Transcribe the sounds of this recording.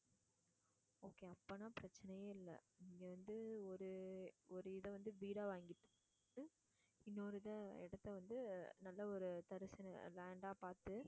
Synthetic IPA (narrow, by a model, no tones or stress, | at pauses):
oːkeːɐpːɐnaːpɪɾɐt͡ʃːɐnɐjeːɪlːɐ̰niːŋɡeʋɐnd̪ɯɔɾɯɔɾɯɪðɐ̃ʋɐnd̪ɯʋiːɽaːʋaːŋɡɪʈː | ɯ | ɪnːoːɾɯðɐ̃ɪ̰ɽɐt̪ːɐʋɐnd̪ɯnɐlːɐɔɾɯt̪ɐɾɯsɪn̰laːɳɖaːpaːɾt̪ːɯ